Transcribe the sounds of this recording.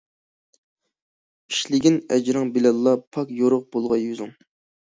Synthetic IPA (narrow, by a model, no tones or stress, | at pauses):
i̥ʃlɪɡʲinɛ̰d͡ʒɾɑŋbilɑlˠːɑpʰɑkjoɾʊq̚b̥olˠʁɑjyzɪŋ